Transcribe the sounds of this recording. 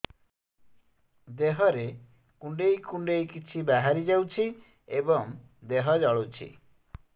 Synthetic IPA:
d̪eɦɔɾe | kuɳɖejkuɳɖejkit͡ʃʰibaɦaɾid͡ʒawt͡ʃʰi | ebɔŋ | d̪eɦɔd͡ʒɔɭut͡ʃʰḭ

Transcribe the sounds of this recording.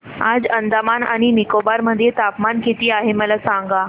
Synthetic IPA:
ad͡zənd̪amana̰ɽ̃inikobaɾməd̪ʱːjet̪apmanket̪iːaɦeməlasãŋɡa

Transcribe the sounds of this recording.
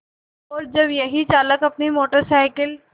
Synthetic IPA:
ɔːɾd͡ʒəbjəɦit͡ɕaləkɐpnimoʈəɾsajkəl

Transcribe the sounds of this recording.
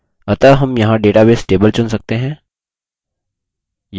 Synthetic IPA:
ɐt̪əɦɐmjɐɦãɖeːʈabeːsʈeːbəlt͡ʃʊnsɐk̚t̪eɦɛ̃ː | j

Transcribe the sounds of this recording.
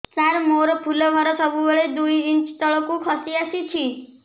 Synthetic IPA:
saɾmoɾɔpʰulɔbʱɔɾɔsɔbubeɭed̪ujint͡ʃt̪ɔɭɔkukʰɔsiasit͡ʃʰi

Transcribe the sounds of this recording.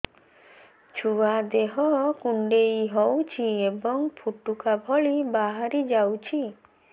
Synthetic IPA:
t͡ʃʰuad̪eɦɔkuɳɖejɦɔwt͡ʃʰiebɔŋpʰuʈukabʱɔɭibaɦaɾid͡ʒawt͡ʃʰi

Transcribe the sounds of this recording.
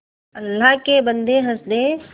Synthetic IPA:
əlːakebənd̪eɦəsd̪e

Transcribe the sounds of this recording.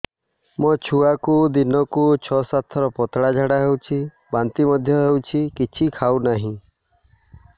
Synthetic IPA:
mɔt͡ʃʰuakud̪inɔkut͡ʃʰɔsat̪ʰɔɾɔpɔt̪ɽad͡ʒʱaɽaɦewt͡ʃʰi | bant̪imɔd̪ʱjɔɦewt͡ʃʰikit͡ʃʰikʰawnaɦĩ

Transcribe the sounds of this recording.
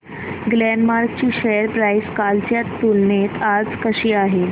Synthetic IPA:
ɡlɛnmaɾk̚t͡ɕiːɕejəɾpɾaiskalt͡ɕjat̪ːulnet̪ad͡zkəɕiːaɦe

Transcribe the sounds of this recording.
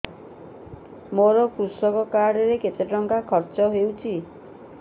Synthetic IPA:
moɾɔkɾusɔkɔkaɽɔɾeket̪eʈɔŋkakʰɔɾt͡ʃɔɦewt͡ʃʰi

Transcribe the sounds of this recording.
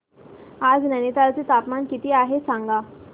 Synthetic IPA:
ad͡znanit̪alt͡set̪apmankit̪iːaɦesãŋɡa

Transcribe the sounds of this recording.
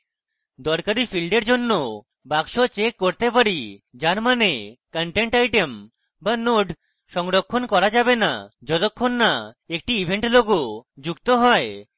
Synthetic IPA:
d̪ɔɾkaɾifʰilɖeɾd͡ʑonːo | baɡʃot͡ɕekːoɾt̪epaɾid͡ʑaɾmanekəɳʈeɳʈajʈem | banoɖ | ʃɔŋɾokʰːonkɔɾad͡ʑabena̰d͡ʑɔt̪okʰːonːa | ek̚ʈiibʱeɳʈloɡod͡ʑukt̪oɦɔe

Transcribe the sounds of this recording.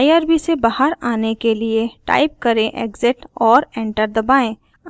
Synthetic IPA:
aiaːɾbisebaːɦəɾaːnekelieʈa̰ːɪp̚kɐɾẽʔḛːɡzɪʈɔːɾɛ̃ːɳʈəɾd̪ɐbaːẽː

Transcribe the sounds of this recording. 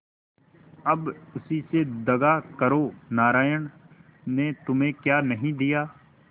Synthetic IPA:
ɐbʊsised̪ɐɡakɐɾonaːɾaːjəɳ | net̪ʊmẽkjaːnɐɦĩd̪ijaː

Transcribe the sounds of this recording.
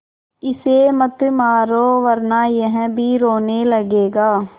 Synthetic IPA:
ɪseːmət̪maːɾoːʋəɾnaːjəɦɛ̃bʱiːɾoːneːləɡeːɡaː

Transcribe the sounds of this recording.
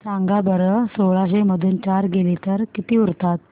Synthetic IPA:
t͡saŋɡabəɾəsoɭaɕeməd̪ʱuːnt͡ɕaɾɡelet̪əɾkit̪iːuɾt̪at̪̚

